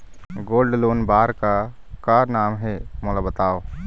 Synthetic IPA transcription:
ɡoːlɖloːnbaːɾka | kaːɾnaːmɦɛmoːlabɐt̪aːoː

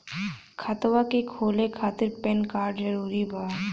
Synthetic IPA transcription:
kʰɐt̪wakekʰoːlekʰaːt̪ɪɾpɛnkaːɾɖd͡ʒɐɾuːɾibʱaː

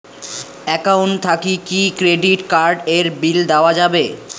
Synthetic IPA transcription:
ɛkawɳt̪ʰakikikɾeɖiʈkaɾɖeɾbild̪aoad͡ʑabe

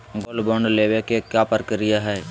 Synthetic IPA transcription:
ɡoːlbõɳɖleːʋekekjapəɾkəɾɪjaɦɛː

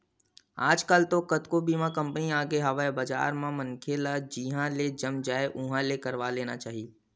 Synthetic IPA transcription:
aːd͡ʒkalt̪okɐt̪kobiːmãkɐ̃mpniaːɡeɦɐʋaebəd͡ʒa̰ːɾmãmɐnkʰelad͡ʒiɦãled͡ʒəmd͡ʒaːeʔʊ̃ɦãlekɐɾʋaleːnat͡ʃaːɦi

